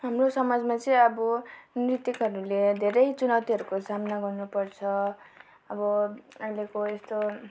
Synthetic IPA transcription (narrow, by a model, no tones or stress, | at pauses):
ɦamrosʌmad͡zmat͡sʌ̃ʌbʌnrit̪ikɦʌɾuled̪ʱeɾʌjt͡sunawt̪iɦʌɾukosamnaɡʌrnupʌrt͡sʰʌ | ʌbʌʌjlekoest̪o